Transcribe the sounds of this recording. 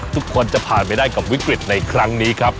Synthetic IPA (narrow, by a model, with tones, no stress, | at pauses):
t̪ʰu˦˥kʰːo˧nt͡ɕa˨˩pʰaː˨˩npa˧jdaː˥˩jka˨˩p̚wi˦˥kɾi˨˩t̪̚na˧jkʰɾa˦˥ŋniː˦˥kʰa˦˥p̚